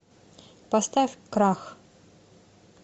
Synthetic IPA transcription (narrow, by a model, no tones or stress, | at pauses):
past̪afʲkɾax